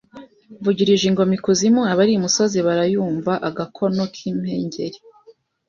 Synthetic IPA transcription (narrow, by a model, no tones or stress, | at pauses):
vuɟiɾiʒiŋɡo̞mikuzimuaβaɾiumusoziβaɾajuːɱvaʔaɡakʰo̞no̞kʰim̥hḛːɲɟe̞ɾi